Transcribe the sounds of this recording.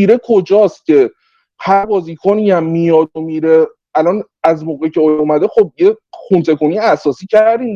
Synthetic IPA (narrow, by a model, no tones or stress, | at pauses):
iɾe̞kʰod͡ʒɒːst̪cʰe̞ | hæɾbɒːziːkʰoniæmːijɒːdomiːɾe | ælɒːn | æzmoːɣecʰe̞oomæd̪e̞xob̚jeχunt̪ʰe̞koniæsɒːsiːcʰæɾd̪iːm